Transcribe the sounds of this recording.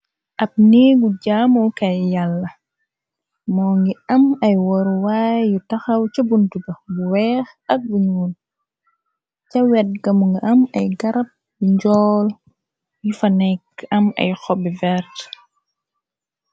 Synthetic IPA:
ʔɐp̚niːɡuɟamukajjalːɐ | mɔːŋɡiɐmɐjwɔɾwajjutɐxɐwt͡ʃɐbuntuɡɐɡuwɛːx | ɐk̚ɡuɲun | t͡ʃɐwɛt̚ɡɐmuŋɡiʔɐmɐjɡɐɾɐp̚ | biɲd͡ʒɔːl | jufanɛkɐmɐ̰jxɔbivɛɾt

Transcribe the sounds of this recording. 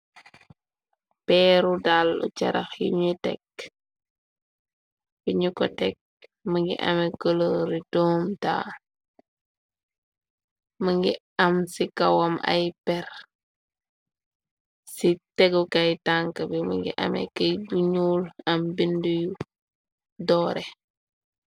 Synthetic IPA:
pɛːɾudalːṵt͡ʃɐɾɐxjuɲutɛ̰k̚ | biɲukɔtɛk̚məŋɡḭʔɐ̰mɛkəloɾitɔːmta̰ː | mɐŋɡi | ɐmsikɐwɐmɐ̰jpɛr | sitɛɡukɐjtaŋkəbimɐŋɡḭʔɐ̰mɛ̰kɐjduɲuːlɐmbinduju | dɔːɾɛ

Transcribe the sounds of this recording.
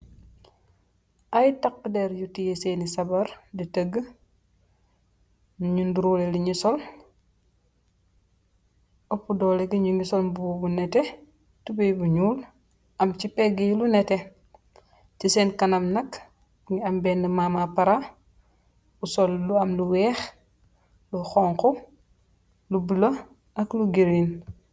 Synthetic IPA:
ʔajtak̚ːdɛɾjutijesenisabaɾditəɡːə | ɲunduɾuːleliɲisol | ɔpːudɔːleɡiɲuŋɡisolmbbunɛte | tubejbuɲuːl | ʔɐmt͡ʃipeɡijlunɛte | tiseːnkanamnɐk | ŋiambeːndimamapaɾa | usolːuɐmluwɛːx | luxɔŋku | lubilɐ | ʔɐkluɡiɾin

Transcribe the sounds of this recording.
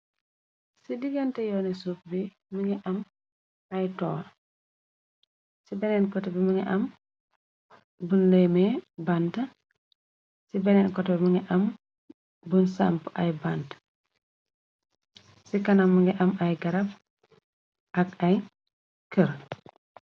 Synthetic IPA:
sidiɡɐntɛjɔːnisup̚bi | muŋɡɛʔɐm | ajtɔː | sibɛnɛnkɔtɛbimuŋɛʔɐm | bunlemebantɐ | sibɛnɛnkɔtɛbimuŋɡɛʔɐm | bunsa̰mpa̰jbant | sikɐnɐmːuŋɡɛʔɐmajɡɐɾɐp̚ | ʔakaj | kəɾ

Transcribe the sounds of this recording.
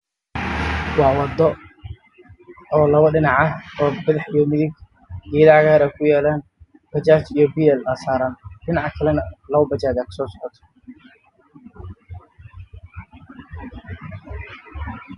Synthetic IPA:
wɑːwɑd̪ɔ | ɔːlɐβɐɖɪnɑʕɐhɔːbɐðɑħijɔmɪðɪɡ | iðaʕɣaːɾaːkʰʊjaːlaːn | b̥ɐt͡ʃaːt͡ʃijɞbiːɛlaːsaːɾaːnɗɪnɑʕkʰɐlɛnɐlɐβɐbɐt͡ʃaːd͡ʒakʰɐ̥sɔːsɔ̥ʕɔt̪ʰɔ̥

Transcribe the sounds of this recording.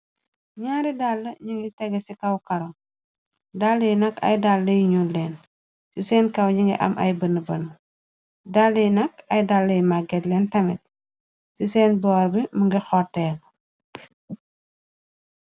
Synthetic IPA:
ɲaːɾidalːɐɲiŋɡitɛɡɐsikɐwkɐɾɔ | dalːɐjnɐkɐ̰jdalːɐjiɲulɛːn | sisɛːnkɐwɲiŋɡḭʔɐ̰mʔɐ̰jbənːəbɐn | dalːɐjnɐkɐjdalːɐjmaɡɛtlɛːntɐmḭt̚ | sisɛːnbɔːɾbiməŋɡixɔrtɛːɡ

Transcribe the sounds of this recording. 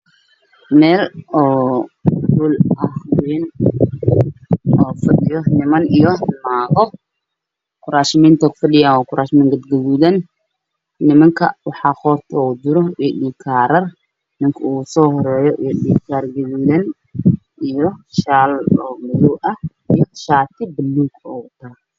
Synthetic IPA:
mɛːlɔː | buːlʔɐhwɛːn | ɔːfɐɗɪjɔnɪmɐnijɔmaːɣɔ | kʰʊɾaːʃɪmiːnt̪ʰɐkʰʊ̥fɐɗɪjaːnɔːkʰʊɾʔaːʃɪmɪŋɡɐd̪ɡɐβuðɐnː | ɪmɐŋkʰɐ̰wɑħɑːχɔːrt̪ʰɔːd̪ʊɾɔiɗiːkʰaːɾɐr | mɪŋkʰɐuːsɔːhɔɾɛːjɔʔijɗiːkʰaːrɡɐβuːðɐn | ʔijɔʃaːlɔːmɐluɐh | ijɔʃaːt̪ʰɪbɪlːuːkɔːwt̪ʰaː

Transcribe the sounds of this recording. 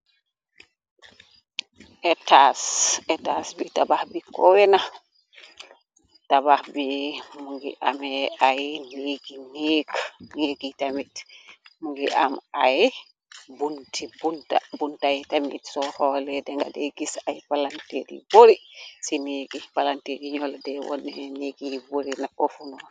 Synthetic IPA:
ʔɛtasɛtasbitabahbikɔwɛna | tabahbimuŋɡḭʔamɛajneɡineɡneɡitamitmuŋɡḭʔamaj | buntʰibunta̰buntajtamḭtsɔhɔlɛdɛŋɡa̰dɛɡisajpalantḛɾḭboɾisineɡipalanteɾiɲɔldɛwɔ̰nːɛneɡiboɾinaʔofunɔ

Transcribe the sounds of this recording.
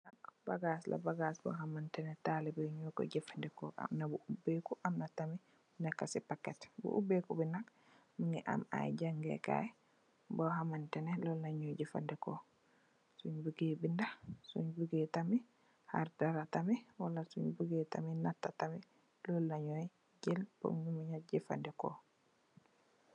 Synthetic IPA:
nakbaɡaslʔa̰baɡasbɔ̰ɦamantɛnɛtalibɛɲɔkɔ̰d͡ʒɛfandɛkɔʔa̰mnabuubekuʔamnatami | bunɛkːasipakːɛtbṵʔubekubinak | miŋɛʔa̰ma̰jd͡ʒaŋɡɛ̰ka̰ | bɔɦamantɛnɛlɔlːaɲɔjd͡ʒɛfa̰ndɛkɔ | suɲbuɡebindasṵɲbuɡɛtami | ha̰ɾdaɾatamɛwalasuɲbuɡɛta̰minatːatamɛ | lɔlːaɲɔj | d͡ʒɛlpo̰mɲumaɲad͡ʒɛfa̰ndɛkɔ̰

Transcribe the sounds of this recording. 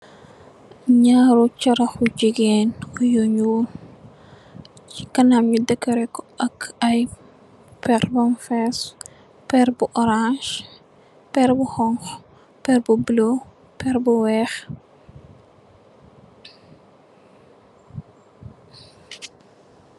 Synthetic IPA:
ɲaːɾut͡ʃɐɾɐxud͡ʒiɡeːnkujoɲun | t͡ʃikɐnamɲidəkːɐɾɛkːɔɐkʰɐj | pɛrbɔnfɛs | pɛɾbuʔɔɾãʃ | pɛɾbuxɔŋx | pɛɾbublo | pɛɾbuwɛːx

